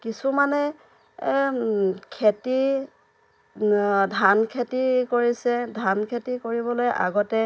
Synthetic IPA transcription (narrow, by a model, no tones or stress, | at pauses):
kisumanɛ | kʰeti | dʱankʰetikoɹisɛdʱankʰetikoɹibɔlojʔa̰ɡɔtɛ